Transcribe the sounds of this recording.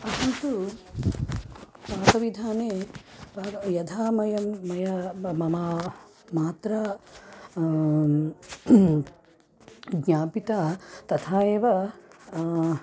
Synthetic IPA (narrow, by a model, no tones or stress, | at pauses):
ɐɦɐnt̪u | paːkɐʋid̪ʱaːneːpaːjɐd̪ʰʱaːmɐjɐmɐjɐmɐmaː | maːt̪ɾɐ | ɡɲaːpit̪aːt̪ɐt̪ʰaːeːʋɐ